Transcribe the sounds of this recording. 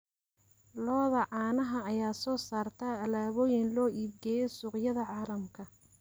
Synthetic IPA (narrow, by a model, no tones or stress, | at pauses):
lɔːðɐʕɑːnɐɦɐɐjaːsɔːsaːrt̪ʰɐɐlaːβɔːjɪnlɔːʔiːb̚ɡɛːjɛsʊːqjɐðɐʕɑːlɐmkʰɐ